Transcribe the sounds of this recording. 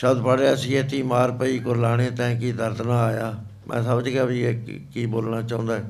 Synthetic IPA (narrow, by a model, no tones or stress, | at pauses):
ʃəbd̪paːɽeːəsĩːet̪iːmaːɾpəiːkʊɾlaːɽ̃eːt̪ɛ̃ːkiːd̪əɾd̪naːaːjaː | mʔɛ̰̃ːsəmd͡ʒkɛaːbiːekiːboːlnaːt͡ʃaːʊ̃nd̪aːɛː